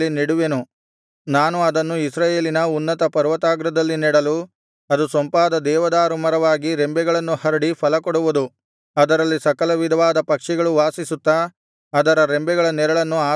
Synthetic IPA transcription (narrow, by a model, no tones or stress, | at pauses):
iniɽuʋenu | naːnuɐd̪ɐnːuisɾaːje̞ːlinɐunːɐt̪ɐpɐɾʋɐt̪aːɡɾɐd̪ɐlːiniɽɐlu | ɐd̪usɐmpaːd̪ɐd̪ɛːʋɐd̪aːɾumɐɾɐʋaːɡiɾembɛɡɐɭɐnːuhɐɾɐɽifʰɐlɐkɔɽuʋud̪u | ɐd̪ɐɾɐlːisɐkɐlɐʋid̪ʱɐʋaːd̪ɐpɐkʂɛɡɐɭuʋaːsisut̪ːɐː | d̪ɐɾɐɾembɛɡɐɭɐnɛɾɐɭɐnːuaː